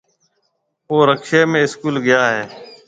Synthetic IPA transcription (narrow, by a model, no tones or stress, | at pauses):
oːɾəkʃeːmẽːɪskuːlɡɪjaːɦẽː